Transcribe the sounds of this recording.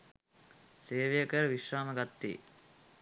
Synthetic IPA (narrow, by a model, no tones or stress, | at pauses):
seːʋejəkəɾəʋiʃraːməɡat̪ːḛː